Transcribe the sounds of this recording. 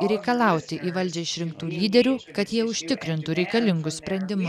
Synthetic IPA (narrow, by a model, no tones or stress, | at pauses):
ɾʲɛɪkɐlˠɐˑʊt̪ʲɪʔiːʋɐlʲd͡ʒʲɛɪʃʲɾʲɪŋkt̪uːlʲiːd̪ʲɛɾʲuːkɐt̪jiɛʊʃʲt̪ʲɪkɾʲɪnt̪uɾʲɛɪkɐlʲɪŋɡʊssʲpʲɾʲɛnʲd̪ʲɪmʊ